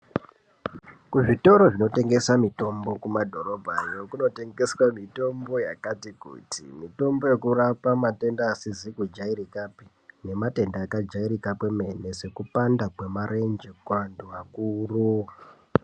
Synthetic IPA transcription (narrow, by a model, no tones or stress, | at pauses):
kuʐito̞ɾo̞ʐino̞te̞ŋɡe̞samito̞mbo̞kumadʱo̞ɾo̞bʱajo̞kuno̞te̞ŋɡe̞swamito̞mbo̞ja̰katikṵtḭmito̞mbo̞je̞kuɾapamate̞ndaːsizikud͡ʒaiɾikapi | ne̞mate̞ndaːkad͡ʒaiɾikakweme̞nese̞kupandakwe̞maɾe̞nd͡ʒekuanduʋakuːru